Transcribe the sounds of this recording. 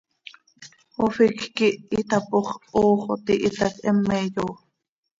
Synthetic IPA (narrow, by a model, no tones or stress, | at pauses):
ofikkiʔːt̪ɑpoχʔoːχot̪iʔit̪ɑkʔɛmːɛjoː